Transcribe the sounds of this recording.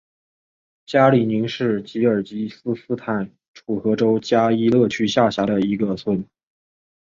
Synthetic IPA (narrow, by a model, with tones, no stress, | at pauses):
t͡ɕja˥li˨˩ni˧˥ŋʂɻ̩˥˩t͡ɕi˧˥ə˞˨˩t͡ɕi˧˥sɹ̩˥s̩˥t̪ʰa˨˩n | ʈ͡ʂʰu˨˩xɤ˧˥ʈ͡ʂo˥ʊt͡ɕja˥i˥lɤ˥˩t͡ɕʰy˥ɕja˥˩ɕja˧˥d̪ə˧i˧˥ɡə˧swə˥˩n